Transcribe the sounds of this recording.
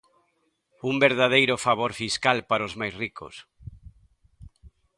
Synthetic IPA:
umbeɾðað̞ejɾʊfaβoɾfiskalpaɾozmajsriko̰s

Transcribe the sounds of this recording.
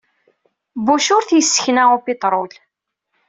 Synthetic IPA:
buʃʊɾθjəsːə̥çnæupit̪ˤɾˤʊl

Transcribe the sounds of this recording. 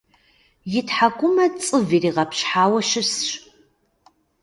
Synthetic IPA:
jɪtħakʷʼʊmɐt͡sʼɨviːriːʁɐpʰɕħaːwɐʃɪsɕ

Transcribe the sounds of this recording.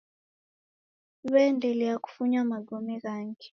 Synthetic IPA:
βɛndʱɛlɛaku̥fuɲamaɡomiɣaŋkʰɛ̥

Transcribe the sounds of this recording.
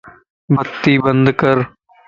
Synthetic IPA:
bət̪ːiːbənd̪kəɾ

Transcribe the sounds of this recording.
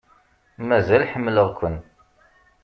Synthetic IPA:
mæzælħəmːləʁkʷːən

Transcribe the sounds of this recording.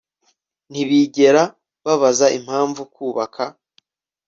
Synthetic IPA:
n̥iβiɟe̞ɾa | βaβazaʔim̥haːɱvukuːβakʰa

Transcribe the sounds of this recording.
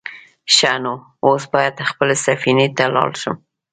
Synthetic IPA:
ʃano | osbɑjad̪xpəlesafinet̪alɑ̰lʃum

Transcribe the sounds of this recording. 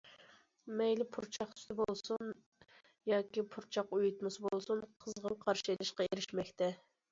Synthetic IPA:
mɛjlɪpʰuɾt͡ʃʰɑχt̪ʰy̥st̪ʰɪbolˠsun | jɑːkʲipʰuɾt͡ʃʰɑqujut̪mɨsbolˠsunqʰəzʁəmqʰɑɾʃielɪʃqɑeɾɪʃmɛkʲt̪ʰɛ

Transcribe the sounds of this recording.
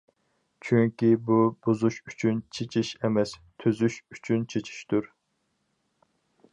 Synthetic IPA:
t͡ʃʰyŋkʲibubozuʃyt͡ʃʰynt͡ʃʰet͡ʃʰiʃemɛst̪ʰøzyʃyt͡ʃʰynt͡ʃʰet͡ʃʰi̥ʃt̪uɾ

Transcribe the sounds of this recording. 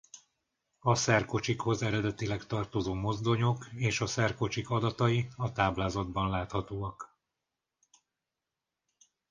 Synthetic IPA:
ɒsɛrko̞t͡ʃikho̞zɛɾɛd̪ɛt̪ilɛkt̪ɒrt̪o̞zoːmo̞zd̪o̞ɲo̞keːʃɒsɛrko̞t͡ʃikɒd̪ɒt̪ɒjiɒt̪aːblaːzɒd̪bɒnlaːt̪hɒt̪oːɒk

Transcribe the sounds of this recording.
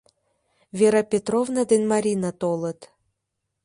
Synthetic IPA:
vʲeɾapʲet̪rovnad̪enmaɾʲinat̪olə̆t̪

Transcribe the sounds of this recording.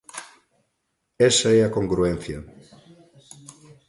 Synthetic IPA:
ɛsɐɛakoŋɡɾuen̟θjɐ

